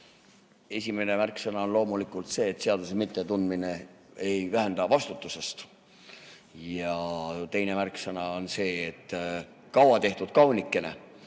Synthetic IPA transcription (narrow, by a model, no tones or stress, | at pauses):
e̞sʲime̞ne̞mærksɤnɑo̞nlo̞ːmulikˑult̪se̞ːt̪ːˑse̞ɑd̪usemit̪ːˑe̞t̪und̪mine̞ | e̞jvæɦænd̪̥ɑvɑst̪ut̪ːˑuse̞st̪ | jɑt̪e̞jne̞mærksɤnɑonse̞ːt̪ːˑ | kɑwɑt̪e̞ht̪ud̪̥kɑwnikːˑe̞nḛ